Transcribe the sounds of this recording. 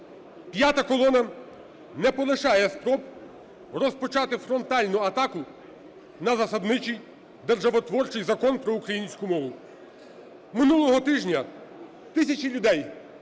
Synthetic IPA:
pʲjat̪ɐkɔlˠɔnɐ | nɛpɔlˠɪʃɑjɛspɾɔb̚ | rɔspɔt͡ʃɑt̪ɪfɾɔnt̪ɑlʲnʊɐt̪ɑkʊ | nɐzɐsɐd̪nɪt͡ʃij | d̪erʒɐʋɔt̪ʋɔrt͡ʃɪjzɐkɔnpɾɔukɾɐjinʲsʲkʊmɔʋʊ | mɪnulˠɔɦɔt̪ɪʒnʲɐ | t̪ɪsʲɐt͡ʃilʲʊd̪ɛj

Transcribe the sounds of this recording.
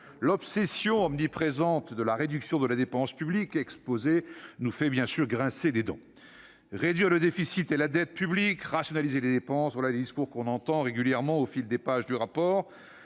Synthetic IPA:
lɔpsesjɔ̃ɔmnipχezɑ̃t̪d̪əlaʁed̪yksjɔ̃d̪əlad̪epɑ̃spyblikɛkspozenufɛbjɛ̃syʁɡʁɛ̃sed̪ed̪ɑ̰̃ | ʁed̪ɥiʁləd̪efisit̪elad̪ɛt̪̚pyblikʁasjɔnalizeled̪epɑ̃svwalaled̪iskuʁkɔ̃nɑ̃t̪ɑ̃ʁeɡʲyljɛʁmɑ̃ofild̪epaʒd̪yʁapɔːʁ

